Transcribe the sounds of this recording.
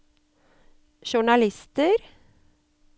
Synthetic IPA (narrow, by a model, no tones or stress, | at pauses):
ʃʊɳɑlɪst̪əɾ